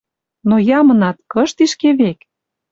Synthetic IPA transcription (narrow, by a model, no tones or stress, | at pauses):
nojɑmɤ̆nɑt̪kɤ̆ʃt̪iʃkeβek